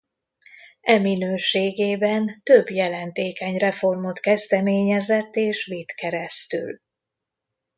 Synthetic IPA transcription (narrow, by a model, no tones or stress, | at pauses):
ɛminøːʃeːɡeːbɛnt̪ø̞bjɛlɛnt̪eːkɛɲrɛfo̞rmo̞t̪kɛzd̪ɛmeːɲɛzɛt̪ːeːʃʋit̪kɛɾɛst̪y̰l